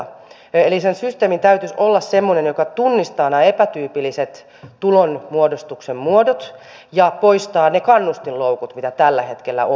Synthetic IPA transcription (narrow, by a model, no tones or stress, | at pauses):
elisensyst̪eːmint̪æyt̪ysolːɑsse̞mːonenjo̞kɑt̪unːist̪ɑːnæepæt̪yːpilːiset̪ː | ulonmuodost̪uksemmuodot̪ | jɑpo̞ist̪ɑːnekɑnːust̪illowkut̪mit̪æt̪ælːæhe̞t̪k̟elːæ̰ʔo